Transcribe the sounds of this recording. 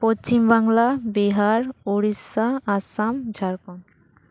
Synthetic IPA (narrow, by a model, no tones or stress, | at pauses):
post͡ɕimbaŋlabiɦaɾoɾisaasamd͡ʑʱaɾkon